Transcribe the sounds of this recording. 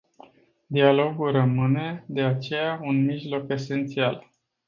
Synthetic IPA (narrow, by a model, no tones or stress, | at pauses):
d̪ialo̞ɡulrəmɨne̞d̪e̞at͡ʃe̞jaunmiʒlo̞ke̞se̞nt̪sial